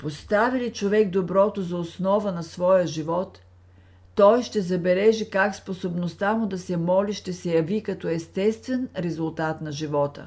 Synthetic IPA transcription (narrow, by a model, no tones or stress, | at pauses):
post̪avilit͡ʃovɛɡd̪obɾɔt̪ozɐosnɔvənɐsvɔjəʒivɔt̪ː | ɔjʃt̪ɛzɐbɛlɛʒikaksposobnost̪amʊd̪ɐsɛmɔliʃt̪ɛsɛjɐvikɐt̪ɔɛst̪ɛst̪vɛnɾɛzʊlˠt̪at̪nɐʒivɔt̪ə̰